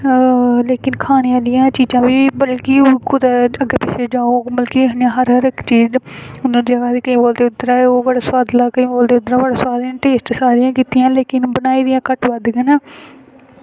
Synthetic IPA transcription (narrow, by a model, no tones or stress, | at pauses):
leːkɪnkʰaːneaːlɪjãːt͡ʃiːd͡ʒãːbiːbəlkɪkʊd̪aəɡeːpɪʃeːd͡ʒaːoːbəlkiɦənãːɦəɾɦəɾɪkt͡ʃiːd͡ʒ | ʊnãːd͡ʒəɡaːsiːkəĩːboːld̪eːʊt̪ːəɾaːeoːɡəɽaːswaːd̪laːkəĩːboːld̪eːʊd̪ɾaːbəɽaːswaːd̪ãːʈeːsʈsaːɾɪjãːkiːt̪ɪjãːleːkɪnbənaːiːd̪ɪjãːkəʈʋəd̪ɡənaː